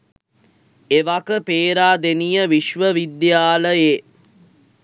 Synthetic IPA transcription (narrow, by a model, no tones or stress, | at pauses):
eʋakəpeːɾaːd̪enijəʋiʃʋəʋid̪jaːləje